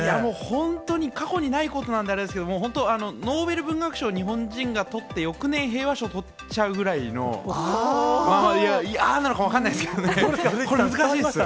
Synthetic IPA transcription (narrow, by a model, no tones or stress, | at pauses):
jamo̞ːhõ̞nt̪o̞ɲ̟ikako̞ɲ̟inaiko̞t̪o̞nãnd̪eaɾe̞d̪esɨkeo̞moːɦõ̞nt̪oano̞no̞ːbe̞ɾɯ̟bɯ̟̃ŋɡakɯ̟̥ɕo̞ːɲ̟iɦõ̞ɲd͡ʑĩŋɡat̪o̞t̪ːe̞jo̞kɯ̟nẽ̞ɰ̃ɦe̞ːβaɕo̞t̪o̞ | t͡ɕaɯ̟ɡɯ̟ɾaino̞̰ | maaiananokaβ̞akanːaisɨked̪oneeko̞ɾemɯzɨkaɕiːesɨ